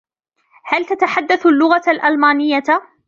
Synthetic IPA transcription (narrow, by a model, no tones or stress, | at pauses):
halt̪at̪aħad̪ːaθalːʊɣalʔalmaːnɪjːa